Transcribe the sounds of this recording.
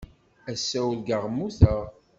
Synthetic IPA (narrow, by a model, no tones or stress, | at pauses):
æsːæwlɡəʁmuθəʁ